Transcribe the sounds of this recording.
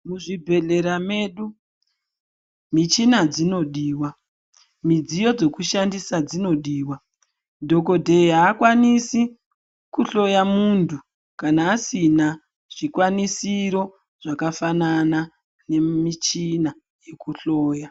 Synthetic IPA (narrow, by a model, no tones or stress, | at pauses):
muʐibʱe̞ɮe̞ɾame̞ːɗu | mit͡ʃinad͡zino̞ɗiːwa | mid͡zijo̞d͡ze̞kuʃandisad͡zino̞ɗiːwa | dʱo̞ko̞dʱeiɦaːkwanisi | kuɬo̞jamuntʰu | kanaːsina | ʐ̥ikwanisiɾo̞ | ʐ̥akafanana | ne̞mit͡ʃina | je̞kuɬo̞ːja